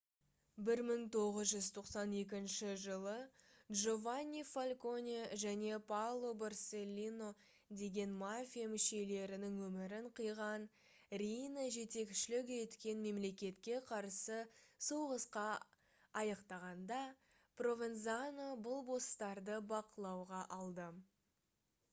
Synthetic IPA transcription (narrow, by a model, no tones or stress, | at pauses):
bɪɾməŋt̪ʰo̞ʁəzʒʏzt̪ʰo̞qsɑne̞k̬ʲɪnʃɪʒəlˠədʒo̞vanʲːifalʲko̞nʲiʒæne̞pawlˠo̞barselʲːino̞ | d̪e̞ɡʲe̞nmafʲijamɪʃe̞le̞ɾɪnɪŋwɵmɪɾɪɴqʰəjʁɑn | rʲijnaʒe̞t̪e̞kʃɪlɪk̬ʲʒet̪kʲe̞nme̞mle̞kʲe̞t̪kʲe̞qʰɑɾsəsowʁəsqɑ | ɑjɑqt̪ɑʁɑnd̪ɑ | pro̞vʲenzanobʊlˠbo̞st̪ɑɾd̪əbɑqəlˠɑwʁɑʔɑlˠd̪ə